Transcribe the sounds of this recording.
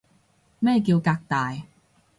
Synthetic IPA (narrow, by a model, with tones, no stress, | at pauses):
mɛː˥˩k̬iː˧wkaː˧k̚t̪aː˨j